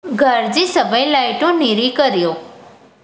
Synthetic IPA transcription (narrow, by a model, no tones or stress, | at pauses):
ɡʱəɾd͡ʒisəbəjlaɪʈũniɾikəɾjoː